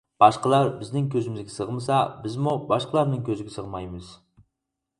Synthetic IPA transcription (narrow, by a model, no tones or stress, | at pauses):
b̥ɑʃqəlˠɑɾbɪznɪŋkʲʰøzɪmɪzɡʲɪsəʁmɨsɑbɪzmubɑʃqʰəlˠɑɾnɨŋkʲʰøzɪɡʲɪsəʁmɑjmɨz̥